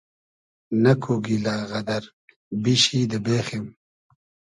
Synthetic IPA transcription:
nɐkʰuɡilaːɣɐd̪ɐɾ | biɕid̪əbeːxem

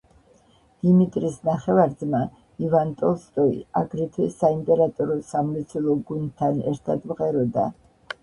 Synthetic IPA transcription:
d̪̥imit̪ʼɾisnaχɛvaɾd̪zma | ivant̪ʼɔlˠst̪ʼɔḭaɡɾit̪ʰɛsaimpʼɛɾat̪ʼɔɾɔsamlɛt̪sʰwɛlˠɔɡund̪t̪ʰːanɛ̰ɾt̪ʰad̪mʁɛɾɔd̪a̰

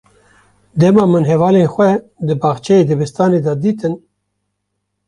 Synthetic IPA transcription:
d̪ɛmɑmɨnɦɛvɑːlexʷɛ | d̪ɨbɑːxt͡ʃʰɛed̪ɨbɨst̪ɑːned̪ɑd̪iːt̪ɨn

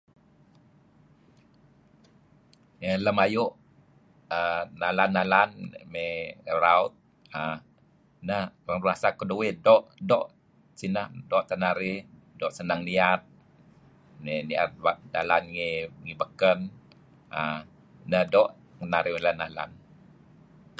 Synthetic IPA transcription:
ŋələmajuʔ | ənalanːalanmeɾaut̪̚ | ə | nəhɾaŋɾunasakəduwidɔʔdɔʔ | sinəhdɔʔt̪ənaɾɪ | dɔʔsənaŋniat̪̚ | menia̰t̪̚wadalanŋiŋibəkən | ə | nədɔʔ | ŋənaɾɪhmelanːala̰n

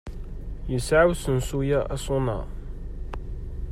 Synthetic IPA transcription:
jəsʕawsənsujæʔæsˤʊnɑ̰

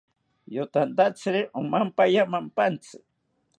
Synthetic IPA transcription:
jot̪and̪at͡sɾɪʔʊmampajamampant͡sɪ

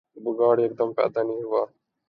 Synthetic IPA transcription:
buɡaːɽiːek̚d̪əmpɛ̰ːd̪aːnĩːɦʊʋaː

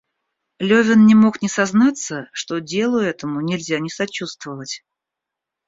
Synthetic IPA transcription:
lʲɵvʲɪnnʲɪmo̞knʲɪsɐznat̪sːəʂt̪odʲe̞lˠʊɛt̪əmʊnʲɪlʲzʲanʲɪsɐt͡ɕust̪vəvətʲ

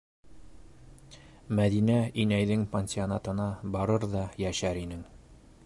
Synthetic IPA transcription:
mæðinæinæjðɘŋpʲenʲsʲɪonɑt̪ɤ̆nɑbɑɾɤɾðɑjæʃæɾinɘŋ

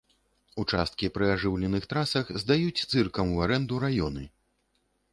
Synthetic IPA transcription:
ut͡ʂa̰st̪̚kʲipɾɨaʐɨwlʲɛnɨxt̪ɾasɐxzd̪ajut͡sʲt̪sɨrkɐmuaɾɛnd̪uɾajɔnɨ

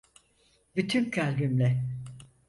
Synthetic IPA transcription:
byt̪ʰymcʰalʲbymlʲɛ

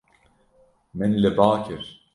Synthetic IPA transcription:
mɛnlɛbaːkʰɪɾ

